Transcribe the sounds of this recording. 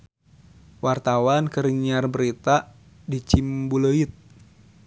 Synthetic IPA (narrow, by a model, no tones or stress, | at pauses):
wart̪awankəɾiɲarbəɾit̪a | dit͡ʃimbuləit̪̚